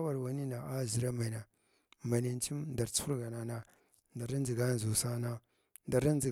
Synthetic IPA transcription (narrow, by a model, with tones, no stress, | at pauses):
wa˨ɾwa˨ni˦na˨a˦˨zi˨ɾa˦ma˨i˨na˨ | ma˨na˨n˦t͡ʃi˦mnda˨ɾt͡su̥˦u˦ɾɡa˨na˨na˨ | nda˨ɾa˦n˦d͡zi˨ɡa˦n˨zu˨sa˦na˦ | nda˨ɾa˦n˦d͡zi˨